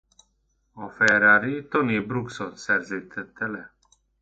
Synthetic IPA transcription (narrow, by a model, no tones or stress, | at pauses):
ɔfɛɾaɾit̪ɔnibɾuksɔnsɛɾzit̪ʰɛt̪ːɛlɛ